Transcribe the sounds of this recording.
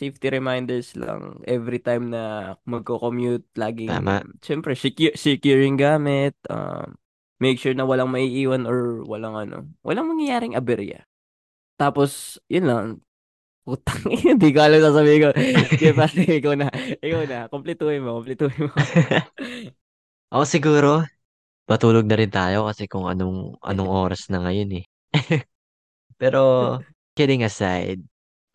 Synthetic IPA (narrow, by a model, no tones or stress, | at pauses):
sejft̪iɾɛmajnd̪ɛɹslɐ̰ŋʔɛvɾit̪ajmnɐmɐɡ̚kokomjut̪̚laːɡɪ̰a̰t͡ʃɛmpɾɛsɪkusɪkjuɹɪŋɡaːmɪt̪̚ʔɐ̰mː | ɛjk̚ʃuɹnɐwɐlaŋmɐʔiːʔiːwɐnoɹwɐ̰laŋʔɐno̰wʔɐ̰laŋmɐŋjɐjaːɾɪŋʔɐ̰bɛɾ̰ɐ̰ | t̪aːposjʊnlɐŋ | ʔuːt̪ɐŋnd̪ikoʔɐlɐmsaːs̬ɐbiːhɪŋkoɡ̪paːsɛɪkɐwnɐʔɪkawnɐkomplɪt̪uːhɪnmokomplɪt̪uːhɪnmo | ʔosɪɡuːɾo̞ | pɐt̪uːloɡ̚nɐɾɪnt̪aːjo̞kɐsɛkʊŋɐ̰noŋʔɐ̰noŋʔo̞ːɾɐsnɐŋɐjonɛ | pɛːɾo̞ | kɛd̪ɪŋɐsa̰jd̪̚